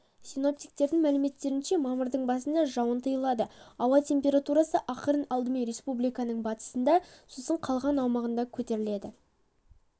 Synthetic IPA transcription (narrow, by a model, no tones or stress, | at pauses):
sijno̞p̚t̪ijk̚t̪e̞ɾd̪ɪŋmælɪme̞t̪ːe̞ɾɪnʃe̞mɑməɾd̪əɴbɑsənd̪ɑʒɑwənt̪ʰəjəlˠɑd̪əɑwɑt̪ʰʲe̞mpʲe̞ɾat̪uɾɑsəʔɑqəɾənɑlˠd̪əmenɾe̞spublijkɑnəɴbɑt̪ə̥sənd̪ɑsosəɴqʰɑlˠʁɑnɑwmɑʁənd̪ɑkʲʰɵt̪e̞ɾɪle̞d̪ɪ